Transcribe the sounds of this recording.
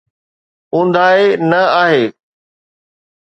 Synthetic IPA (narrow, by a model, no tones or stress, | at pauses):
ũːnd̪ʱaːenɐaːɦeː